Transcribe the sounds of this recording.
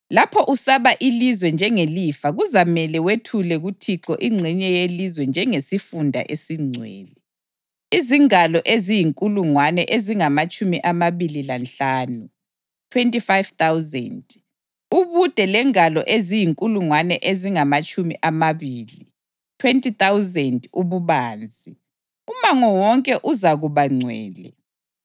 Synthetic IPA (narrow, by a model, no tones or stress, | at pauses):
lapʰɔʔusaβaʔilizwɛnd͡ʒʱɛŋelifaɣuzamɛlɛwetʰulɛɣutʰiǁɔʔiŋ͡ǀʱiɲɛjelizwɛnd͡ʒʱɛŋesifundʱa̰ʔesiŋ͡ǀʱwɛ̰ːli | iziŋalɔʔezijiŋkʼuluŋwanɛʔeziŋamat͡ʃʼumiʔamaβililanɬaːnu | tʰwentʼifajv̥t̪awzɛnd | uβud̥ʱɛlɛŋalɔʔezijiŋkʼuluŋwanɛʔeziŋamat͡ʃʼumḭʔamaβiːli | tʰwɛntʼit̪awzɛnduβuβaːnd͡zʱi | umaŋɔwɔŋkʼɛʔuzaɣuβaŋ͡ǀʱwɛ̰ːlɛ